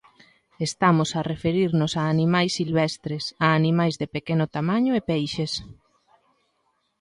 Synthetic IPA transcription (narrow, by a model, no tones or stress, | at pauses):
est̪amʊsɐrefeɾiɾnʊsaːnimajsːilβɛst̪ɾesaːnimajzðepekenʊt̪amaɲʊepejʃes